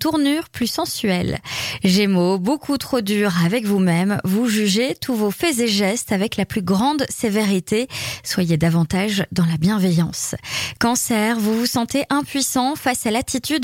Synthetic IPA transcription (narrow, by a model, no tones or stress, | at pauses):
t̪uʁnyʁplysɑ̃sɥɛlʒemobokʰut̪χod̪yʁavɛkvumɛmvuʒyʒet̪ʰuvofɛzeʒɛst̪avɛklaplyɡʁɑ̃d̪seveʁit̪eswajed̪avɑ̃t̪aʒd̪ɑ̃labjɛ̃vejɑ̃skɑ̃sɛʁvuvusɑ̃t̪eʔɛ̃pɥisɑ̃fasalat̪ʰit̪yd̪